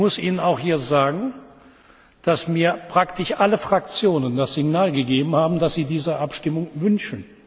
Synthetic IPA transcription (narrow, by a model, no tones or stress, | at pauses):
mʊsʔiːnənaʊxhiːɐzaːɡŋ̩ | d̥asmiːɐpʁ̥aktɪʃʔaləfʁ̥ak̚t͡sjoːnəndasz̥ɪɡnaːlɡəɡeːbm̩haːbm̩dasz̥iːdiːzɐʔapʃtɪmʊŋvʏnʃn̩